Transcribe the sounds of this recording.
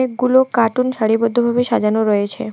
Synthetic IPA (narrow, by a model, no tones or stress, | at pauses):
eɡulokaʈunsəɭibɔd̪ʱːobʱabeʃad͡ʒanoɾɔet͡ɕʰḛ